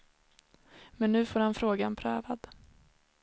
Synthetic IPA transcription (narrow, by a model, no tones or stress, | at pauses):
mɛnːʉ̟ːfoːɾhanfɾoːɡanpʰɾœːvad̪